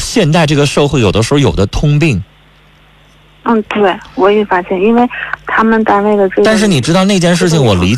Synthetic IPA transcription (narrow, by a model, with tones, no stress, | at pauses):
ɕjɛ˥˧nt̪a˥˧ɪʈ͡ʂɤ˥˩ɡə˩ʂɤ˥˧xwe˥˩ɪjo˨˩ʊd̪ə˦ʂ̩˧˥xjo˨˩d̪ə˦t̪ʰʊ˥ŋp̬i˥˩ŋ | n̩˥˧t̪we˥˩ɪwɔ˧˥i˧˩fa˥ɕjɛ˥˩ni˥nwe˥˩ɪt̪ʰa˥mə˨nt̪a˥˧ɪwe˥˩ɪlə˩ʈ͡ʂə˥˧t̪a˥˧nʂɻ̩˥˩ni˨˩ʈ͡ʂɻ̩˥t̪ɑ˥˧ne˥˧ɪt͡ɕjɛ˥˧nʂ̬ɻ̩˥˩t͡ɕʰi˩ŋwɔ˨˩li˧˥